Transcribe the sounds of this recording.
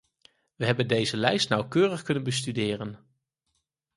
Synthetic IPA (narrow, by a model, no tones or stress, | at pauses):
ʋəɦɛbəndejzəlɛjstnɑwkøːrəχkɵnənbəstydɪːrən